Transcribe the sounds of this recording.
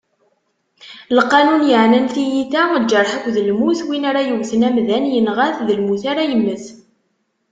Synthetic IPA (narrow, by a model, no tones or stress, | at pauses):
lqːɑnunjəʕnənθijiθæd͡ʒːəɾˤħəkʷːðəlmuθwinaɾajəwθənæmðænjənʁæθðəlmuθaɾajəmːəθ